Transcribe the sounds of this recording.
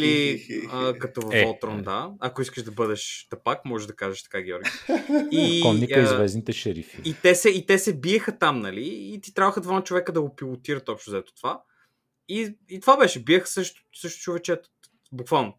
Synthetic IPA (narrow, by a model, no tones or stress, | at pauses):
liəkɐt̪ovɐfɔlˠt̪ɾond̪aɐkoiskəʃd̪ɐbɤd̪ɛʃt̪ɐpakmɔʒeʒd̪ɐkaʒɛʃt̪ɐ̥kaɡʲɛɔɾɡiikɔnːiizvɛznit̪ɛʃɛɾḭfiit̪ɛsɛit̪ɛsɛbiɛxət̪amnɐliːt̪it̪ɾʲavəxəd̪vanɐt͡ʃovɛkəd̪ɐɡopilˠot̪iɾət̪ɔpʃnʊzɛt̪o̥t̪ova | iit̪ovabɛʃɛbiɛxə̥sɤʃt̪ʊ̥sɤʃt̪ʊ̥t͡ʃovɛt͡ʃɛt̪ʊ̥ | bukvalˠno